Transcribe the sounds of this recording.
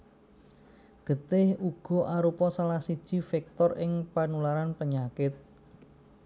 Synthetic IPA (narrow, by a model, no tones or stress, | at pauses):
ɡ̥ə̤t̪ɪhuɡ̥ɔ̤ʔaɾupɔsalahsid̥ʒ̥i̤fɛk̚t̪ɔrʔɪŋpanulaɾanpəɲakɪt̪̚